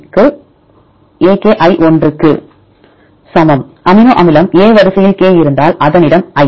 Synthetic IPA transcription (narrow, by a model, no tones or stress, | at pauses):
kɯ | eːkeːʔɐɪʔɔndrɯkːɯ̰ | sɐmɐmʔɐmɪnoːʔɐmɪlɐmeːʋɐɾɐsɐjɪlkeːjɪɾɯnd̪aːlʔɐðɐnɪɽɐmɐɪ